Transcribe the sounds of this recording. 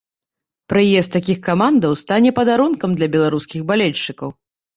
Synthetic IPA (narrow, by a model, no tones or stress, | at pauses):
pɾɨjɛst̪ːakʲixkamand̪ɐwst̪anʲɛpɐd̪aɾunkɐmd̪lʲɐbʲɛlˠaɾuskʲiɣbalʲɛlʲt͡ʂːɨkɐw